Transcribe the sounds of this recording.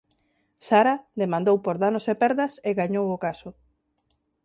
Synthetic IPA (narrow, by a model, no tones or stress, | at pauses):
saɾaðemãnd̪owpoɾðanosepɛɾðɐseɣaɲowʊkasʊ